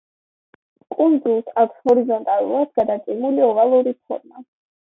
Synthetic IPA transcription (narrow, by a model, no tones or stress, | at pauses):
kʼund̪zulˠsakʷʰshɔɾizɔnt̪ʼalˠṵlˠad̪̥̚ɡad̪at̪sʼimuliɔvalˠuɾipʰɔ̰ɾma